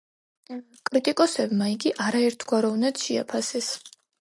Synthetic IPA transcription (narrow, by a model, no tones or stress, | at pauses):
kʼɾit̪ʼikʼɔsɛbmaiɡiʔaɾaɛɾt̪ʰɡ̥waɾɔvnad̪̥ʃia̰pʰasɛs